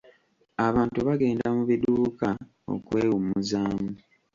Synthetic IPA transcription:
aβaːntuβaɡe̞ːndamuβiduːka | o̞̰kwe̞ːwumuzaːmu

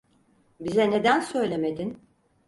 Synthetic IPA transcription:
bizɛne̞d̪ænsø̞jlʲe̞med̪in

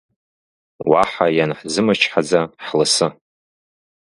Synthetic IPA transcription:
waħajanħzɨmɨt͡ʃʰħad͡zaħlɨsɨ

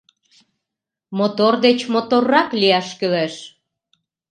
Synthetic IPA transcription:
mot̪ord̪et͡ɕmot̪orːɑkliæʃkøleʃ

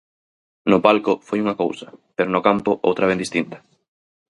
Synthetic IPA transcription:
nʊpalkʊfojuŋɐkowsɐpeɾonʊkampʊʔo̰wt̪ɾaβend̪ist̪int̪ɐ̥

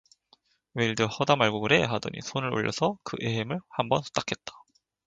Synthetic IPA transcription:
weiɭdɯhʌdamaɭɡuɡɯɾeɦadʌ̰ɲḭsʰonɯɭo̰ʎːʌsʰʌkɯʔeɦemɯɭhambʌnsʰu̥t͈akʰe̞t̚t͈ḁ

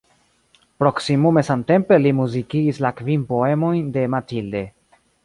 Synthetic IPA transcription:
pɾo̞ksimume̞samte̞mpe̞limuzikiːslakvinpo̞e̞mo̞jnde̞matild̪e̞

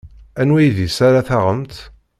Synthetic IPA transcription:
ænwæjðisaɾaθaʁəmt̪

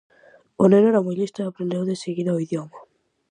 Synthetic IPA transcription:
oneneɾamujlist̪oapɾẽnd̪ewðeseɣiðaoiðjoma

